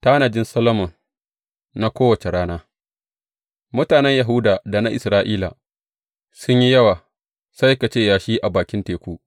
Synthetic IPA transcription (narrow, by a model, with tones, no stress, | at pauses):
ta˦na˨d͡ʒɪ˦nsɐ˦lɐ˦mʊ˨n | na˦kʷoː˦wɐ˨t͡ʃe˨ɽaː˦naː˦ | mʊ˦taː˨nɛ˦ɲjɐ˨ɦu˦daː˨da˨na˦ʔɪ˨sɾaː˦ʔiː˦la̰˨ | sʊ˦ɲji˦jɐ˦waː˨ | sa˦jka˨t͡ʃeː˦˨jaː˨ʃiː˦ʔa˨baː˨kʲɪ˦nteː˨kʷu˦ʔ